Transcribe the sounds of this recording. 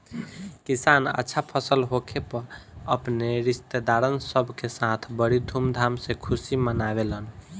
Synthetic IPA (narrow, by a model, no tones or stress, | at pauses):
kisanə̰tːʃʰapʰəsəlɦokʰepəɾəpneɾist̪ed̪aɾənsəbʱkesat̪ʰbəɽid̪ʱumd̪ʱamsẽkʰusimənaβelən